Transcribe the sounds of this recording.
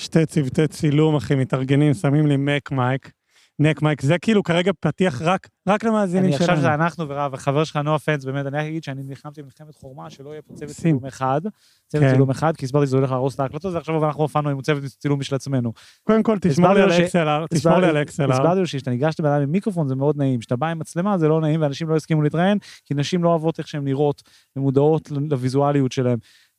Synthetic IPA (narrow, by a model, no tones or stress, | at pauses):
ʃtet͡sivt̪et͡silumaχimet̪aʁɡenimsamimlemekmajk | nekmajkzekiːlukaʁeɡapat̪iaχʁak | ʁaklemaːzinnimiaʃʃavʃezeanaχnuveʁavaχaveʁʃelχanoafensbeːmet̪anialaɡid̪ʃeanimliχamt̪imilχemet̪χoʁmaʃelo̞ijepot͡sevetumeχad̪ | t͡sevetsilumeχad̪̚kisbaʁt̪iʃ̬zeolelaːʁosleaklatot̪veaχʃavavanaχnuafanuimut͡sevet̪t͡silumːiʃlat͡sme̞nu | kod̪emkolt̪isaieselaʁt̪iʃaolialeksellasbaʁt̪ioʃiʃat̪aniɡaʃt̪abedajmimikʁofo̞nzemeo̞d̪naimʃat̪abaimat͡slemazelo̞naimveanaʃimlo̞iskimulit̪ʁae̞nkinaʃimlo̞avo̞t̪eχʃeemliʁo̞t | bemud̪ao̞tllavizualijut̪ʃe̞lae̞m